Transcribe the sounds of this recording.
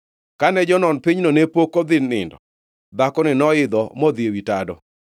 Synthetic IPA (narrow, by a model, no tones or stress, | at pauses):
kanɛd͡ʒɔnɔnpɪɲnonepokod̪ɪnːɪ̰ndɔ | d̪akɔnɪnɔɪd̪ɔmɔd̪jewitadɔ̰